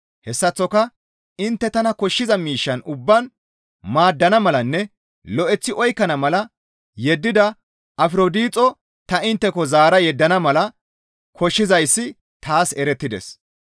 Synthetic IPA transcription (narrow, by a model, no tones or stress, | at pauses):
hɛsːɐt͡sːɔkɐ | ɪnt̪ːɛt̪ɐnɐkɔʃːɪzɐmiːʃːɐnʊbːɐn | maːd̪ːɐnɐmɐlɐnːɛ | lɔʔɛt͡sːɪʔɔjkːɐnɐmɐlɐ | jɛd̪ːɪd̪ɐ | ʔɐfɪɾod̪iːt͡sʼɔ | t̪ɐɪnt̪ːɛkɔzaːɾɐjɛd̪ːɐnɐmɐlɐ | kʰɔʃːɪzɐjsːɪ | t̪aːsɛɾɛt̪ːɪd̪ɛ̰s